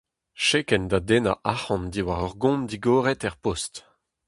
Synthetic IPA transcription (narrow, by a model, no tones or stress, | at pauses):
ʃekɛnd̪ad̪enaʔahɑ̃nd̪iwaʁɔʁɡɔ̃nd̪iɡoːʁɛt̪ɛʁpɔst